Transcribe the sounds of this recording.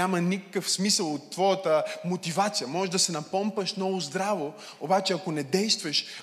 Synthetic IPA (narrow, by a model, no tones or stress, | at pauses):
amənikəkəfsmisəlˠot̪ːvɔjət̪əmot̪ivat̪sijəmɔʒʒd̪ɐsɛnɐpɔmpəʃnɔvozd̪ɾavo | obat͡ʃɛɐkonɛd̪ɛjst̪vəʃ